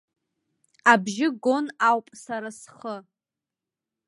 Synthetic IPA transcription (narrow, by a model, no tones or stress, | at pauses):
abʒɪɡo̞nawpʼsaɾasχə